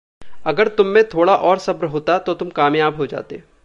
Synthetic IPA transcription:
ɐɡəɾt̪ʊmːẽt̪ʰoːɽaʔɔːɾsɐbɾɦoːt̪at̪ot̪ʊmkaːmjaːbɦod͡ʒa̰ːt̪e

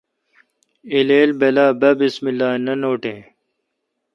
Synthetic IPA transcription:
ileːlbelaːbɐbismilːaːnɐnoːʈẽː

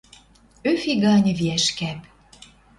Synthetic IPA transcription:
øfiɣɑnʲviæʃkæp

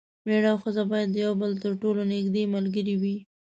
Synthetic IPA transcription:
bɾeɽɑwxəzabɑjad̪ːəjawbəlt̪əɾʈolonɪɡd̪emalɡəɾiwi

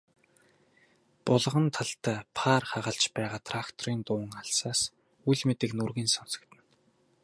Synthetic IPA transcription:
pʊɮ̆ʁə̆nt̪ʰaɬt̪æːpʰaːrχaʁə̆ɬt͡ɕpæːʁaːt̪ʰrakt̪ʰɔɾiːnt̪ʊːŋaɬsaːs | ujɮmet̪ɘ̆knurɣiːnsɔnsɞ̥̆kt̪ɘ̆n

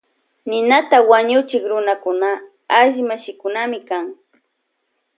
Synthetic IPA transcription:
nɪnat̪awaɲʊt͡ʃɪkɾʊnakʊna | aʎmaʃɪkʊnamɪkaŋ

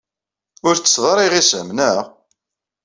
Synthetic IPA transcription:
ʊɾt͡sːə̥sðˤɾˤiʁisə̰mnəʁ

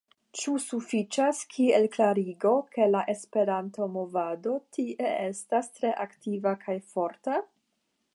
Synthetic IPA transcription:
t͡ʃusufit͡ʃaskʰielklaɾiɡo̞ke̞laʔe̞spe̞ɾanto̞mo̞vado̞tʰiʔee̞stastɾe̞ʔaktivakʰajfo̞ɾta

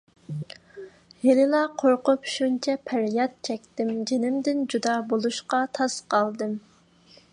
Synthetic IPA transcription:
helɪlˠɑqʰoɾqʊpʃunt͡ʃʰɛpʰæɾjɑt̪̚t͡ʃʰɛkʲt̪ɪmd͡ʒenɪmd̪ɪnd͡ʒud̪ɑbolˠuʃqɑt̪ʰɑsqʰɑlˠd̪ɨm

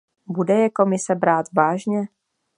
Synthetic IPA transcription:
budɛjɛko̞mɪsɛbɾaːt̪vaːʒɲɛ

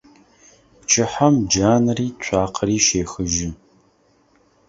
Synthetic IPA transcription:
pt͡ʃʰʼɪħamd͡ʒaːnriːt͡ɕʷʼaːqʰəriːʃeːxɨʒɪ

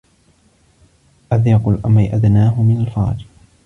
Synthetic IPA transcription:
ʔaðjɑqʊlʔamajʔad̪naːɦʊmɪnalfɑ̰ɾˤd͡ʒ

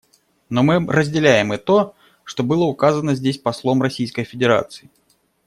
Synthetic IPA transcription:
nomɨrəzʲdʲɪlʲæjɪmɛt̪o | ʂt̪obɨlˠəʊkazənəzʲdʲesʲpɐslˠomrɐsʲijskəjfʲɪdʲɪɾa̰t̪sɨɪ

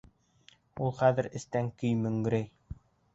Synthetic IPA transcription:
ulˠχæðɘ̆ɾɘ̆st̪æŋkɵ̆jmɵ̆ŋɡ̆ɾɘj

